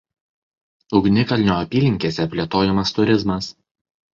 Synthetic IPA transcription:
ʊɡnʲɪkɐlʲnʲoːɐpʲiːlʲɪŋʲkʲeːsʲɛpʲlʲeːt̪oːjɛmɐst̪ʊɾʲɪzmɐs

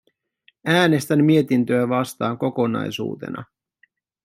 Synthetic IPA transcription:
æːne̞st̪æmːie̞t̪int̪ø̞æʋɑst̪ɑːŋko̞ko̞nɑ̰jsṵːt̪enʔɑ̰

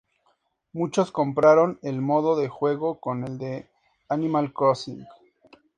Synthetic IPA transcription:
mut͡ʃo̞sko̞mpɾaɾo̞ne̞lmo̞ðo̞ðe̞xwe̞ɣo̞ko̞ne̞ld̪e̞ | animalkɾosiŋɡ

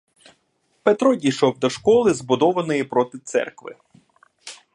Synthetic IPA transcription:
pet̪ɾɔdʲijʃɔwd̪ɔʃkɔlˠɪzbʊd̪ɔʋɐnɔjipɾɔt̪ɪt̪sɛ̰rkʋɪ̰

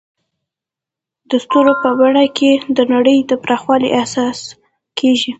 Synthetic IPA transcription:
d̪əst̪oɾopəbaɽakʰed̪ənaɽəjd̪əpɾɑxwɑlḭʔahsɑs | keʒi

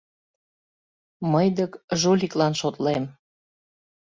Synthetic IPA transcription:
məjd̪əkʒoliklɑnʃot̪lem

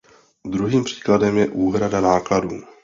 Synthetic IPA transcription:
d̪ɾuɦiːmpr̝̥i̥ːkladɛmjɛʔuːɦɾadanaːkladuː

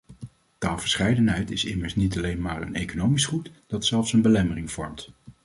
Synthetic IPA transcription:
taːlˠv̥əɹsχɛjdənɦɛjtɪsɪməɹsnitɑlejnmaːɹə̰nejkonowmisχutd̥ɑtsɛlˠfsənbəlɛmərɪŋv̥ɔ̰ɹmt

